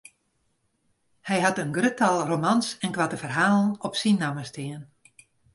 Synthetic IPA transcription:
hɛjɦatənɡrøtʰalˠromansɛnkʋatəvərɦaːlˠən̩ɔpsinːaməstɪən

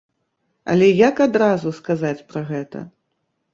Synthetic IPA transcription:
ɐ̰lʲɛjakad̪ɾazuskazat͡sʲpɾɐɣɛt̪ɐ̰

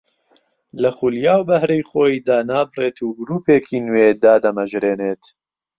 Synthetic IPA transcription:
lɐxuljaːwbɐhɾejxoːid̪aːnaːbɨreːt̪ʰuːɡɾuːpeːkʰiːnweːd̪aːd̪ɐmɐʒɾeːneːt̪

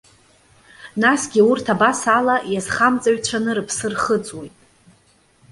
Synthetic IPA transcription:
nasɡʲiurtʰabasalajazχamt͡sʼaɥt͡ʃʷʰanɨɾɨpʰsɨrχət͡sʼwejtʼ

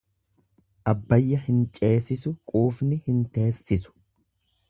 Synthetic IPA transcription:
ʔɐbːɐjːɐhɪnt͡ʃʼe̞ːsɪsʊkʼuːfnɪhɪnt̪e̞ːsːɪsʊ̥

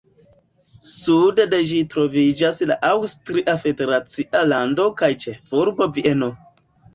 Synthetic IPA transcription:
sudede̞ʒitɾo̞vid͡ʒasla̰ʔawstɾiʔafe̞de̞ɾat͡siʔalando̞kajt͡ʃevuɾbo̞viʔeno

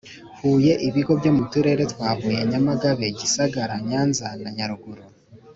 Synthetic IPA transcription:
huːje̞ʔiβiɡo̞bjo̞mutuɾe̞ɾe̞twaːβuːje̞ɲamaɡaβe̞ɟisaɡaɾaɲaːnzanaɲaɾuɡuɾo

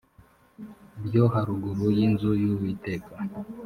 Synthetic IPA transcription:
bjoɦaɾuɡuɾujinzujuwiteka

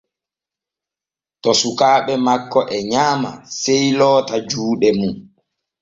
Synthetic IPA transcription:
tɔsukaːɓɛmakːɔʔɛɲaːma̰sejlɔːtad͡ʒuːɗɛmun

